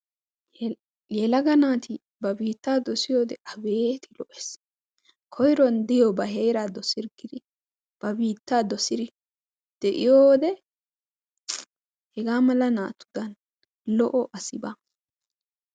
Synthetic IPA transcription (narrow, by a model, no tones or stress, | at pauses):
jɛlɐɡɐnaːt̪ɪ | bɐbiːt̪ːaːd̪ɔsɪjoːd̪ɛʔɐbeːt̪ɪlɔʔɛ̥s | kʰɔjɾɔnd̪ɪjɔbɐɦejɾad̪ɔsɪɾɡɪd̪ɪ | b̥ɐbiːt̪ːaːd̪ɔsɪd̪ɪ | d̪̥ɛʔɪjoːd̪ɛ | hɛɡaːmɐlɐna̰ːt̪ːʊ̥d̪ɐn | lɔʔɔʔɐsɪba